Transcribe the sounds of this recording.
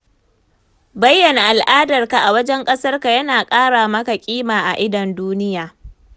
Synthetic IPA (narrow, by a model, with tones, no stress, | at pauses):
bɐ˦jːɐ˨na˨ʔa˨lʔaː˦dɐ˨rka˨ʔa˨wɐ˦d͡ʒɛ˦ŋkʼɐ˦sɐ˦rka˨jɐ˦naː˨kʼaː˦ɽaː˨mɐ˦ka˨kʲʼiː˦maː˨ʔa̰˨ʔɪ˦dɐ˨nduː˦nɪ˦jaː˨